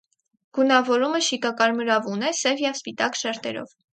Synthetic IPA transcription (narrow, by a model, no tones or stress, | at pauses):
ɡ̥unɑvɔɾuməʃikɑkɑɾməɾɑvunɛsɛvjɛvspit̪ɑkʃɛɾt̪ɛ̰ɾɔ̰v